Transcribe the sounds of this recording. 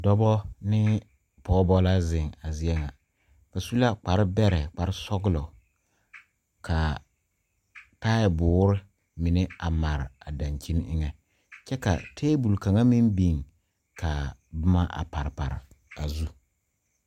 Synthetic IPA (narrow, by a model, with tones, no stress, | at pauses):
dɔ˦bɔ˦nɪ˦ | pɔː˦bɔ˦la˦zɪ˨ŋa˨zi˦ɛ˦ŋa˨ | b̥a˨su˦la˦k͡pa˨ɾɪ˦bɛ˦ɾɛ˨k͡pa˨ɾɪ˦sɔ˦ɡlɔ˨ | kʰa˨ | ta˦jbʊː˨˦ɾɪ˦ | mɪ˨nɛ˦a˨ma˨ɾa˨da˨nt͡ʃi˦n˦ɪ̰˦ŋɛ˨ | t͡ʃɛ˦ka̰˨tʰeː˦bu˨lka˨ŋa˦mi˦nbi˨ŋ | kʰa˨bʊ˦ma˦ʔa̰˨pa˨ɾpa̰˨ɾɪ̰˨ | a˨zu˦